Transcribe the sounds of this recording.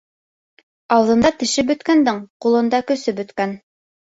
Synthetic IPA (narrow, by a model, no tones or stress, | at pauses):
ɑlˠd̪ɤ̆nd̪ɑt̪ɘ̆ʃɘpbɵ̆t̪kænd̪ɘɴqulˠɤ̆nd̪ɑkɵ̆sɘbɵ̆t̪kæn